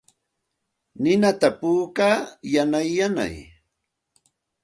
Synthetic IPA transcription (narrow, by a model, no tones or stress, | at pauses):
nɪnat̪apuːkaːjanajːana̰j